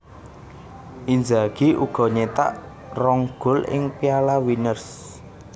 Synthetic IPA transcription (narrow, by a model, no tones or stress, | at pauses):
ʔind͡ʒaɡ̥iʔṵɡ̥ɔ̤ɲet̪a̰ʔ | rɔŋɡ̥ʊ̤lɪ̰ŋpialawinərs